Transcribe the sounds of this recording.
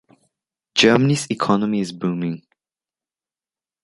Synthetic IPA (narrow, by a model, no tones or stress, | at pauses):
d͡ʒɜːmənisikʰɔnəmiɪzbũːmɪ̃ŋ